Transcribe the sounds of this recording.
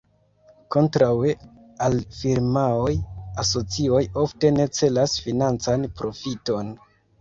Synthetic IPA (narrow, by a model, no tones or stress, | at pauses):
ko̞ntɾawe | alfiɾmao̞jaso̞t͡sio̞jo̞fte̞ne̞t͡se̞lasfinant͡sanpɾo̞fito̞n